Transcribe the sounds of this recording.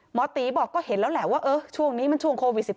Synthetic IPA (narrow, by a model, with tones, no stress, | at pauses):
mɔː˨˧˥t̪iː˨˦bɔː˨˩kːɔː˥˩he˨˩˦nlɛː˦˥wlɛː˨˦˥waː˥˩ʔɤː˧t͡ɕʰu˥˩əŋniː˦˥ma˧˥˨nt͡ɕʰu˥˩əŋkʰoː˧wi˨˩t̪̚si˨˩p̚